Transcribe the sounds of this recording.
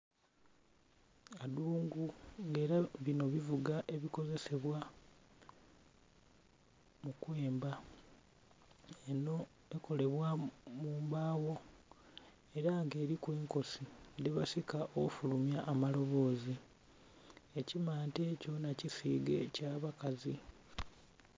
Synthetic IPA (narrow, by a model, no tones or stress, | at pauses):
aduːŋɡuŋɡe̞ːɾaβino̞βivuɡaʔe̞βiko̞ze̞se̞βwa | mukwe̞ːmba | eno̞ | eko̞le̞βwamuːmbaːwo̞ | e̞ɾaŋɡe̞ːɾikweːŋko̞sideβasikaʔokufulumjaʔːmalo̞βo̞ːzi | e̞cimaːnte̞ːco̞nacisiːɡe̞caβakazi